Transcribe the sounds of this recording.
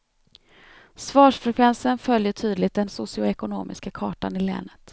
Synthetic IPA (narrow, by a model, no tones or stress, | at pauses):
svɑːʂfɾɛkʰvɛnsənfœljəʈʰyːd̪lɪt̪̚d̪ɛnsʊsɪʊɛkʊnoːmɪ̰skakʰɑːʈa̰nɪlɛ̰ːnət̪